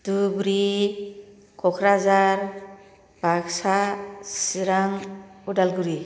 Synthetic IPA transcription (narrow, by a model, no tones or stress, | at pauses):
d̪̥ubɾi | kʰɔkʰɾazaɾ | b̥ʱaɡsasiɾaŋudalɡuɾi